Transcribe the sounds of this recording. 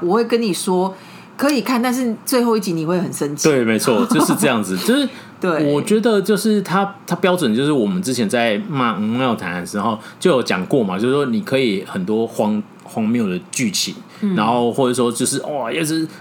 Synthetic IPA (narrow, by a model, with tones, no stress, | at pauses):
wɔ˨˩we˥˩kə˦nni˨˩ʂwɔ˥ | kʰɤ˧˦˥i˨˩kʰa˥˩nt̪a˥˧nʂ̬ɻ̩˥˩t͡swe˥˧ɪxo˥˧ʊi˥˩t͡ɕi˧˥ni˨˩xwe˥˩xə˨˩nʂə˦nt͡ɕʰit̪we˥˩ɪme˧˥ɪt͡sʰwɔ˥˧t͡ɕo˥ʊʂɻ̩˥˧ʈ͡ʂɤ˥˧jɑ˥˩ŋd͡zɹ̩˨˩t͡ɕo˥˧ʊʂɻ̩˥˩ | t̪we˥˩wɔ˨˩t͡ɕɥɛ˧˥d̪ə˨t͡ɕjo˥˧ʊʂɻ̩˥˩t̪ʰa˥t̪ʰa˥pjɑ˥ʊʈ͡ʂwə˨˩nt͡ɕjo˥˧ʊʂɻ̩˥˩wɔ˨˩mə˦nʈ͡ʂɻ̩˥t͡ɕʰjɛ˧˥nt͡sa˥˧ɪma˥˧ma˥mjo˥˩ʊt̪ʰa˨˧˦n˥˨˩nʂɻ̩˧˥xo˥˧ʊt͡ɕjo˥˩ʊjo˨˩ʊt͡ɕjɑ̰˨˩ŋkwɔ˥˩ma˨˩t͡ɕjo˥˧ʂ̩˥˩wɔ˥ni˨˩kʰɤ˧˥i˨˦xə˨˩nt̪wɔ˥xwɑ˥ŋ | xwɑ˥ŋmm˥jo˥˩˨ʊd̪ə˩t͡ɕy˥˩t͡ɕʰḭ˨˩˦ | na˧˥nxo˥˧ʊxwɔ˥˩ə˩˥wɔ˥t͡ɕjo˥˧ʊʂɻ̩˥˩ʔɔ˨˩jɛ˥˧ʂɻ̩˥˩